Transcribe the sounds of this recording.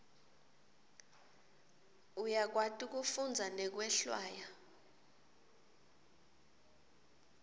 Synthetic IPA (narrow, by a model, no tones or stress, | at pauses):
ujak̬watʼik̬ufund͡zʱanɛk̬wɛɬwaːja